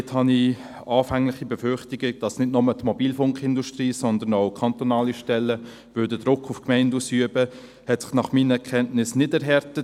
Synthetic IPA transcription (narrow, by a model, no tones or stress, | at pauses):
thɑni | ɑːfæŋlɪχibɛfɾχtɪɡɪd̥ɑsnɪdnɔmətmɔbiːlfʊŋkχɪnduʃtriːsɔnd̪ənaʊkʰɑnt̪ɔnɑːliʃtɛlːə | vʏdədʁʊkːʊfkmɛɪndusyəbə | hɛtsɪ̥χnɑχmiːnəɛkʰɛntnɪsnɪdɛɾɦɛɾtət